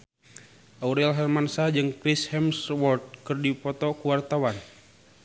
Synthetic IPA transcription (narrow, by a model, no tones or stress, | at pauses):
ʔauɾɛlɦɛrmansad͡ʒɨŋkɾishɛmswɔrt̪̚kɨrdipɔt̪ɔkuwart̪awan